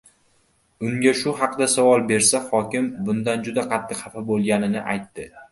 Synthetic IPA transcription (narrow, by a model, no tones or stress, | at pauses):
ʊŋɡʲaʃʊɦɑqd̪asavɒlˠbe̞ɾsaχɒkʲɪmbʊnd̪and͡ʒʊd̪aqʰɑt̪ʰːɪqhɑfabolˠɡʲanɪnɪʔa̰jt̪ːɪ